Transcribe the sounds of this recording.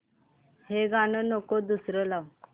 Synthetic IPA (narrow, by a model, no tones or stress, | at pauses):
heɡanənokod̪usɾəlaw